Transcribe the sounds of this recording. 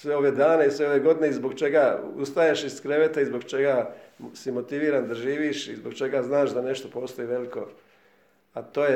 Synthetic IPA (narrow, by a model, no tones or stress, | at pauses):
sʋeo̞ʋed̪aːneisʋe̞o̞ʋeɡo̞d̪ineizbo̞ɡt͡ʃe̞ɡaṵst̪ajeʃiskɾe̞ʋet̪aizbo̞ɡt͡ʃe̞ɡasimo̞t̪iʋiːɾand̪aʒiːʋiʃizboɡt͡ʃe̞ɡaznaːʃd̪ane̞ʃt̪o̞po̞ːst̪o̞iʋe̞liko̞ | at̪o̞ːje